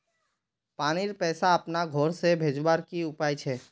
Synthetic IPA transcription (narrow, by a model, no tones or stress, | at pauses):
paːñiɾpɛːsaəpnaɡʱoɾsebʱed͡ʒbaɾkiʊpajt͡ʃʰɛ